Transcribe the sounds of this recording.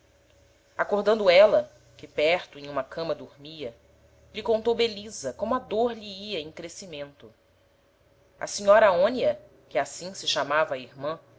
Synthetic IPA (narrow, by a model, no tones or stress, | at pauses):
akoɾd̪ɐ̃nd̪ʊɛlɐ | kɪpɛɾt̪ʊẽj̃ũmɐkɐ̃mɐd̪oɾmiɐ | ʎɪkõnt̪owbelizɐkõmʊɐd̪oɾʎiiɐẽj̃kɾesimẽnt̪ʊ | ɐ̰siɲɔɾɐaõniɐ | kɪasĩsɪʃamavɐːiɾmɐ̃